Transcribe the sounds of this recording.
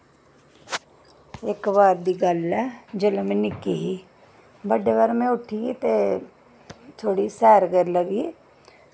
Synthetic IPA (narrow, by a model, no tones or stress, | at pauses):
eːkbaːɾd̪iɡaːlːɛd͡ʒɐləmenɪkiɦi | bəɖebəɾmẽʊʈʰiit̪e | t̪ʰoːɽisɛːɾɡəɾləɡi